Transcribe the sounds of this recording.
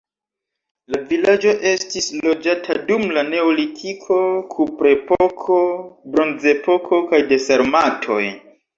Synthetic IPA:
lavilad͡ʒo̞ʔe̞stislo̞d͡ʒatʰadumlane̞olitʰikʰo̞kʰupɾe̞pokʰo̞bɾo̞nze̞po̞kʰo̞kajde̞saɾmatʰo̞̰j

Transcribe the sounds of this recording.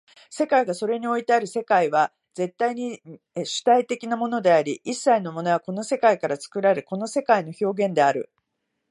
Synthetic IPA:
se̞kaiɡaso̞ɾe̞ɲ̟io̞it̪e̞aɾɯ̟se̞kaiβa | d͡ze̞t̪ːaiɲ̟i | ɕɨ̥t̪ait̪e̞kʲinamo̞no̞d̪e̞aɾʲiʔisːaino̞mo̞no̞βako̞no̞se̞kaikaɾat͡sɨ̥kɯ̟ɾaɾɯ̟ko̞no̞se̞kaino̞ço̞ːɡẽ̞nd̪e̞aɾɯ̟̰

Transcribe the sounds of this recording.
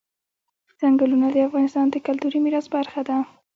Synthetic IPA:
z̥aŋɡalunad̪əafɣɑnɪst̪ɑnd̪əkalt̪uɾimiɾɑzbaɾxad̪a

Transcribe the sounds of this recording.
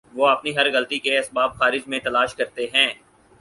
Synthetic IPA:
ʋoːɐpniɦɐɾɣɐlt̪ikeɐsbaːb̚xaːɾɪd͡ʒmẽt̪ɐlaːʃkɐɾt̪eɦɛ̃ː

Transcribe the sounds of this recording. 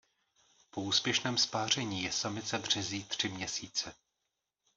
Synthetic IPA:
pouːspjɛʃnɛːmspaːr̝ɛɲiːjɛsamɪt͡sɛbr̝̥ɛziːt̪r̝̥ɪmɲɛsiːt͡sɛ

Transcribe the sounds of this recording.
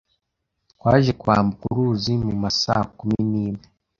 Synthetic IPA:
kwaːʒe̞kwaːmbukuɾuzimumasa̰ːakuminiːme

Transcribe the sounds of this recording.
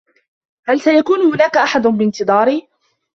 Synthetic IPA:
halsajakuːnʊhʊnaːkaʔaħad̪ʊbɪnt̪ɨðˤɑːɾiː

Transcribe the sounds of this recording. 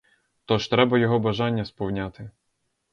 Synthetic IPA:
t̪ɔʒt̪ɾɛbɐjɔɦɔbɐʒɑnʲːɐspɔwnʲat̪ɪ

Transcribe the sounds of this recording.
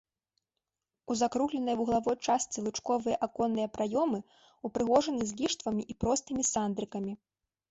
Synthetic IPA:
uzakɾuɣlʲɛnɐjuɣlˠavɔjt͡ʂasʲt̪sʲilˠɨt͡ʂkɔvɨjɐʔakɔnːɨjɐpɾʔajɔmɨ | upɾɨɣɔʐɐnɨzʲɡʲiʂt̪vɐmʲiʔipɾɔst̪ɨmʲisand̪ɾɨkɐmʲi

